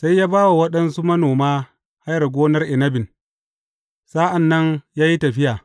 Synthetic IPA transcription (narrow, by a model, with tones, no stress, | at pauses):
sa˦jːaː˦baː˦wa˨wɐ˦ɗɐ˦nsu˦mɐ˦noː˨maː˦ | ha˦jɐ˨rɡʷoː˦nɐ˦rʔɪ˨nɐ˦bɪ˨n | saː˦ʔa˨nːɐ˦njaː˦ji˦tɐ˨ɸɪ˦jaː˨